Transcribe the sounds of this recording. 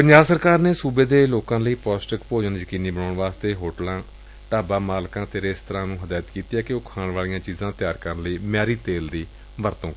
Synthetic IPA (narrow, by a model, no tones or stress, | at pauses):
pəɲd͡ʒaːbsəɾkaːɾneːsuːbeːd̪eːloːkãːləiːpɔːsʈəkpoːd͡ʒənd͡ʒəkiːniːbənoːɳʋaːst̪eːɦoːʈlãː | ʈaːbaːmaːlkãːt̪eːɾeːst̪əɾãːnũːɦəd̪aːjət̪kiːt̪iːaːkɪoʊkʰaːɳʋaːlijãːt͡ʃiːzãːt̪jaːɾkəɾənləiːmɪjaːɾiːt̪eːld̪iː | ʋəɾt̪õː